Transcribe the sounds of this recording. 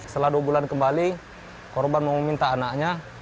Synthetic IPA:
st̪əladuabulankəmbali | kɔrbanməmɔmint̪aːnakɲa

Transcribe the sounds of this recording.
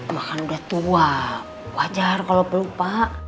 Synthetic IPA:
makanudaht̪ua | wad͡ʒarkalopəlupaʔ

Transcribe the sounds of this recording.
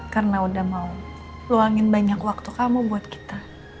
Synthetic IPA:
karənaudahmau | loaŋɪnbaɲakwak̚t̪ukamubuat̪̚ki̥t̪a

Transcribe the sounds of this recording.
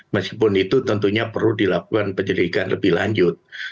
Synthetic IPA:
masipʊnit̪ut̪ənt̪uɲapərludilakukanpəɲd͡ʒəɾiɡanlə̰bɪhla̰ɲd͡ʒʊt̪̚

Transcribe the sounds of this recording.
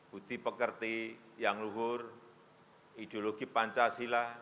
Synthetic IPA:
b̥ut̪ipəkərt̪i | jaŋluɦʊr | id̪̥eoloɡ̥ipaɲt͡ʃasila

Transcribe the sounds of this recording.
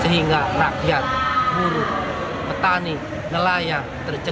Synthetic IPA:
səɦiŋɡarakjat̪̚ɡuɾu | pət̪ani | nəlaja | t̪ərd͡ʒə

